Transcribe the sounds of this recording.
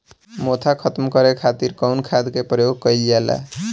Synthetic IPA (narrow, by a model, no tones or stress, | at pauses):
mot̪ʰakʰʌt̪mkʌɾekʰat̪iɾkʌwnkʰad̪keprʌjoɡ̚kʌjliala̰